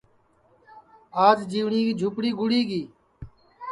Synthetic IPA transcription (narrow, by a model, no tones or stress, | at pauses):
aːd͡ʒd͡ʒiːʋɳiːkiːd͡ʒʱʊpɽiːɡʊɽiːɡiː